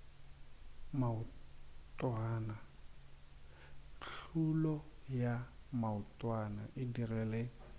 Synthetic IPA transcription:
mautʼwaːna | ɬʰulɔjamautʼwana̰ʔɪdirɛlɛ

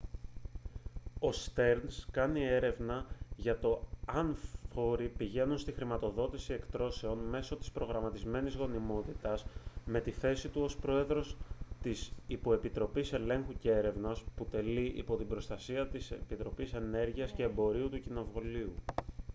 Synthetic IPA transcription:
o̞st̪e̞ɾnskɐnie̞ɾe̞vnɐʝɐt̪o̞ɐnfo̞ɾipiʝe̞nunst̪ixɾimɐt̪o̞ðo̞t̪isie̞kt̪ɾo̞se̞o̞nme̞so̞t̪i̥spɾo̞ɣɾɐmɐt̪izme̞nizɣo̞nimo̞t̪it̪ɐzme̞t̪iθe̞sit̪uo̞spɾo̞e̞ðɾo̞st̪isipo̞e̞pit̪ɾo̞pise̞le̞ŋxuceeɾe̞vnɐsput̪e̞liʔḭpo̞t̪ibɾo̞st̪ɐsiɐt̪isepit̪ɾo̞pise̞ne̞ɾʝiɐsce̞ːmbo̞ɾiut̪ucino̞vuliu

